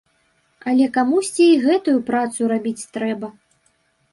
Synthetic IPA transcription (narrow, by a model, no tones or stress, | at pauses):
ɐlʲɛkamusʲt͡sʲiːɣɛt̪ujupɾat̪suɾabʲit͡sʲt̪ɾɛbɐ